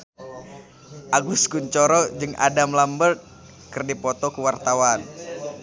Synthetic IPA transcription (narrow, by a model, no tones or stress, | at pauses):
ʔaɡuskuɲt͡ʃɔɾɔd͡ʒɨŋa̰damlambərt̪̚ | kɨrdipɔt̪ɔkuwart̪awan